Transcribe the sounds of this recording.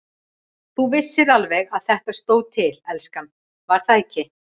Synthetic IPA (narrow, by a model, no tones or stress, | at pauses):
θuvɪsːɪðalvɛɣaðθɛht̪ast̪oːwðt̪ʰɪlɛlskan | vaɾ̥θaðɛcːɪ